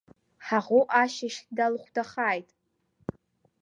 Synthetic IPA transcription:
ħaʁʷʊʔaʃaʃdalχʷdaχaːjtʼ

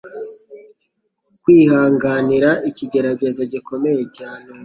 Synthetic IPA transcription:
kwiːhaːŋɡaniɾaʔiciɟe̞ɾaɟe̞zo̞ɟiko̞me̞jecaːne̞

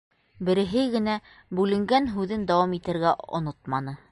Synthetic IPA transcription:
bɘ̆ɾɘ̆ɦɘɡɘ̆næ | bʉlɘ̆ŋɡænɦʉðɘnd̪ɑwɑmit̪ɘ̆ɾɡæŏ̰not̪mɑnɤ

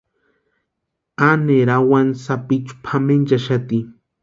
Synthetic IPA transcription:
aneɾawansapit͡ʃu̥pʰamend͡ʒaʃat̪i

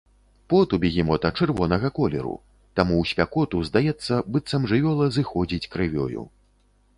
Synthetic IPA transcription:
pɔt̪ubʲiɣʲimɔt̪ɐt͡ʂɨrvɔnɐɣɐkɔlʲɛ̰ɾṵ | t̪amuwsʲpʲakɔt̪uzd̪ajɛt̪sːɐbɨt̪sɐmʐɨvʲɔlˠɐzɨxɔd͡zʲit͡sʲkɾɨvʲɔ̰jṵ

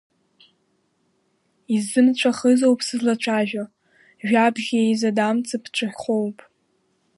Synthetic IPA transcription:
izːɨmt͡ʃʷʰaχəzo̞wpʰʼsɨzlat͡ʃʷʰaʒᶣa | ʒᶣabʒʲiejzadamt͡sʰʼɨpʰt͡ʃʷʰɨχʲχʷowpʼ

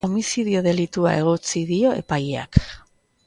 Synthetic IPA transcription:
omisið̞io̞ðe̞lit̪ua̰e̞ɣ̞o̞t͡siðio̞e̞̰pajea̰k

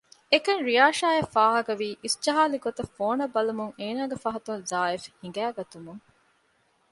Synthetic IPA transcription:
ekɐŋɾijaːʃaːɐfaːɦɐkɐʋiːʔisd͡ʒɐɦaːliɡot̪ɐfːoːnɐbːɐlumuŋeːnaːɡefɐɦɐt̪unzaːefhiŋ̆ɡæːɡɐt̪umuŋ

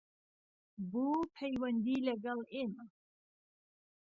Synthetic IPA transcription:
buːpʰɛjwɐnd̪iːlɐɡɐleːma

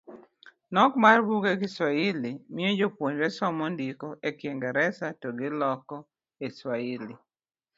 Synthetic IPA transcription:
nɔkmarbuɡeɡɪswailimɪod͡ʒopwoɲwɛsɔmɔndikɔʔekjeŋɡaɾɛsatɔɡɪlɔkɔ | eswaili

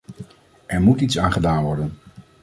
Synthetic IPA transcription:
ʔɛɹmutitsaːnχədaːnʋɔɹdən

